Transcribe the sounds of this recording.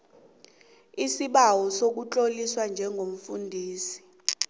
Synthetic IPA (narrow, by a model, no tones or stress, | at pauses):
isiɓawɔsok̬ut͡ɬʼoliswand͡ʒʱɛŋɡʱom̩fundʱiːsi̥